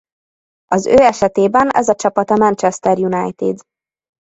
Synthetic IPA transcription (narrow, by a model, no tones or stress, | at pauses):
ɒzøːɛʃɛt̪eːbɛnɛ̰zɒt͡ʃɒpɒt̪ɒmɛnt͡ʃɛst̪ɛrjunajt̪ḭd̪